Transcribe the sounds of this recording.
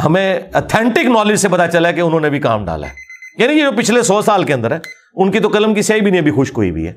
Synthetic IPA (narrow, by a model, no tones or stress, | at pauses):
ɦɐmẽət̪ʰɛ̃ːɳʈɪknɔːlɪd͡ʒsepɐt̪at͡ʃɐlaɛkeʊnɦõːnebʱika̰ːmɖa̰ːla̰ɦɛːjaːnijed͡ʒoːpɪt͡ʃʰlesɔːsaːlkeɐ̃nd̪əɾɦɛː | ʊnkit̪̬okɐləmkisɐibʱinĩẽbʱixʊʃkoḭbʱḭɦɛ̰ː